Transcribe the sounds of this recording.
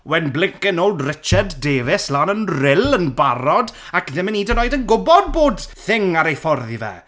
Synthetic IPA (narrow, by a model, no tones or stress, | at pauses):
wɛnblɪŋkɪnolˠdrɪt͡ʃadːeːvɪslˠaːnənrɪlˠənbaɾɔd | akðɪməniːdənoːjdənɡʊbɔd̚boːdθɪŋaɾejfɔrðivɛ̰